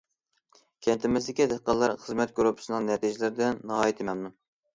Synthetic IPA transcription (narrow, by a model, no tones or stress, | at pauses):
kʲʰɛnt̪ʰɪmɪsd̪ɪkʲid̪ɨqːɑlˠːɑɾχəzmɛt̪̚ɡɾupʰɨ̥sɨnɨŋnɛt̪ʰiʒɪlɪɾɪd̪ɪnːɨhɑːjit̪ʰɪmɛmnu